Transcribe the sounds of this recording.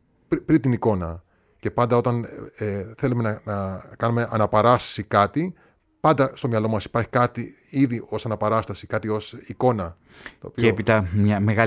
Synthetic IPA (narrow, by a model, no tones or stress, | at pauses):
ppɾint̪iniko̞nɐ | ce̞pɐnd̪ɐo̞t̪ɐneθe̞lume̞nɐnɐkɐnume̞ʔɐnɐpɐɾɐst̪ɐ̥sikɐt̪i | pɐnd̪ɐst̪o̞mɲɐlo̞mɐsi̥pɐɾçi̥kɐt̪i | iðio̞sɐnɐpɐɾɐst̪ɐsikɐt̪io̞siko̞nɐ | t̪o̞̰ːpiepit̪ɐmɲɐmeɣɐ